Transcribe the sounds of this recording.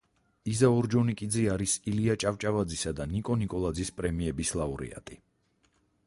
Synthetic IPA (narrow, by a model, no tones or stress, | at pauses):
izaɔɾd͡ʒɔnikʼid̪ziaɾisiliat͡ʃʼavt͡ʃʼavad̪zisad̪anikʼɔnikʼɔlˠad̪zispʼɾɛmiɛbislˠauɾɛ̰a̰t̪ʼi